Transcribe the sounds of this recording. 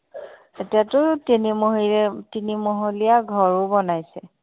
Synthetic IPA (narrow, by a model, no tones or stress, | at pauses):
etijatʊtinimoɦitinimoɦolijaɡʱɔɹʊbɔnajsɛ